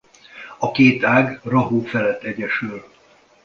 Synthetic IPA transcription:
ɒkeːt̪aːɡrɒɦoːfɛlɛt̪ːɛɟɛʃyl

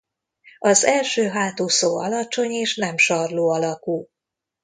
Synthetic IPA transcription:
ɒzɛlʃøːɦaːt̪oːsoːɒlɒt͡ʃo̞ɲeːʃnɛmʃɒrloːɒlɒkuː

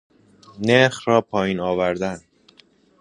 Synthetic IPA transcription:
neɾxrɒːpʰɒːjiːnɒːvæɾd̪æn

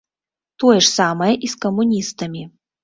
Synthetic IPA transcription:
t̪ojʂsamɐjɛʔiskɐmːunʲist̪ɐmʲi

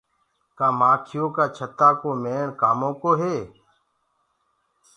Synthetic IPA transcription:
kaːmaːkʰɪjõːkaːt͡ʃʰət̪aːkoːmeːɳkaːmõːkoːɦeː

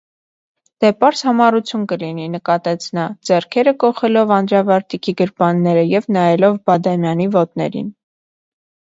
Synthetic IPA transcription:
d̪̥ɛpɑɾshɑmɑrut͡sʰjunkəlininəkɑt̪ɛt͡sʰnɑd͡zɛrkʰɛɾəkɔχɛlɔvɑnd̪ɾɑvɑɾt̪ʰikʰiɡəɾbɑnːɛɾəjɛvnɑjɛlɔvbɑd̪ɑmjɑnivɔt̪nɛ̰ɾḭn

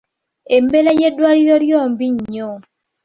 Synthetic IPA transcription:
embelajedwaɾjɔɾjɔmbiɲɲɔ

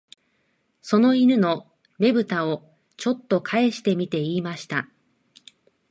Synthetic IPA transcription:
so̞no̞iɾɯ̟no̞ | ne̞bɯ̟t̪ao | t͡ɕo̞t̪ːo̞kʰae̞ɕi̥t̪e̞mʲit̪e̞iːmaɕi̥t̪a

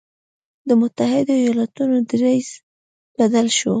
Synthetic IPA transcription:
d̪əmʊt̪ahɪd̪ajɑlat̪unod̪əɾajs | b̥ad̪alʃo

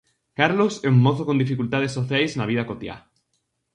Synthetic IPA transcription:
kaɾloseuŋːoθokond̪ifikult̪að̞esːoθjajsnaβ̞ið̞akot̪ja̰

